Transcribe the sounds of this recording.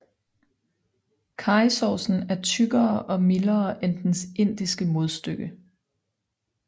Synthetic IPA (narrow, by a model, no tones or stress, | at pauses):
kʰɑ̈ɪsɒsn̩æɐt͡sʰyɡ̥ɐːʔɒ̽milɐːʔend̥n̩se̝n̰d̥isɡ̥əmo̝ð̞ˠsd̥øɡ̥ə